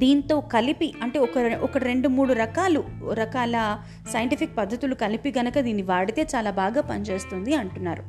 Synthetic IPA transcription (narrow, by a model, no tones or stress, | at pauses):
d̪iːnt̪o̞ːkɐlipiɐɳʈe̞ːɔkɐʔɔkɐɾe̞ɳɖumuːɽuɾɐkaːluɾɐkaːlɐ | sɐjɐɳʈipʰik̚pɐd̪ʱːɐt̪ulukɐlipiɡɐnɐkɐd̪iːnːiʋaːɽit̪e̞ːt͡ʃaːlaːbaːɡaːpɐnit͡ʃe̞ːst̪und̪iɐɳʈunːaːɾu